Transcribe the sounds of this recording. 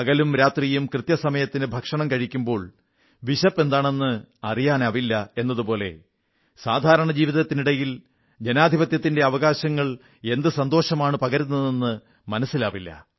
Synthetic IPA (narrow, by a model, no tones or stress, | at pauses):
ɐɣɐlumɾaːt̪rijumkrɨt̪jɐsɐmɐjɐt̪ːinɨbʱɐkʂɐɳɐmkɐɻikʲːumbo̞ːɭ | ʋiɕɐpːe̞nd̪aːɳe̞nːɨɐrijaːnɐʋilːɐe̞nːɐðupo̞ːle̞̰ | saːd̪ʱaːɾɐɳɐd͡ʑiːʋiðɐt̪ːiniɽɐjil | d͡ʑenaːd̪ʱibɐt̪jɐt̪ːinde̞ɐʋɐɣaːɕɐŋːɐɭ | e̞nd̪ɨsɐnd̪o̞ːɕɐmaːɳɨpɐɣɐɾunːɐðenːɨ | mɐnɐsːilaːʋilːɐ̰